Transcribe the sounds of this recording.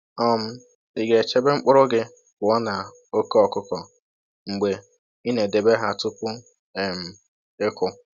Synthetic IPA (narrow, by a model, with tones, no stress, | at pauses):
ɔ˦m̩˦ | i˨ɡe˨t͡ʃe˦be˦ŋ͡m̩˦k͡pʊ˦ɾʊ˦ɡɪ˦ | bʊ˨ɔ˦na˨ | o˦ke˦ɔ˨kʊ˦kɔ˨ | ŋ͡m̩˨ɡ͡be˨ | i˦ne˨de˨be˦ɦa˦˨tʊ˦kʷʊ˦ | ɛ˨m̩˨ | ɪ˦kʊ˦